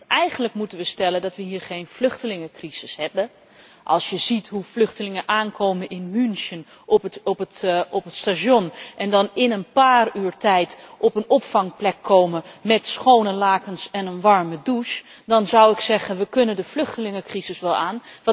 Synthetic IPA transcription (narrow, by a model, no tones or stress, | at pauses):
ɛjχəndləkmutənʋəstɛləndɑtʋəɦiːɹχejnflʏχtəlɪŋəkriz̥ɪshɛbə | ʔɑ̰lˠsjəzitɦuflɵχtəlɪŋənʔaːnkʰowmənɪnmynsən | ptʔɔpətstaʃɔnʔɛndɑnɪnənpaːryːɹtɛjtʔɔpənɔpfɑŋplɛkʰːowməmɛtsχownəlaːkənsɛnənʋɑɹmədus | dɑnzawɪksɛχənʋəkɵnəndəflɵχtəlɪŋəkrizɪsʋɛlˠaːnʋ